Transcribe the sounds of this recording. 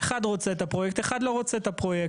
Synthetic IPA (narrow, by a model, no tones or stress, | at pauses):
eχad̪ʁo̞t͡seet̪apʁojek̚t̪eχad̪lo̞ʁo̞t͡seet̪apʁo̞jek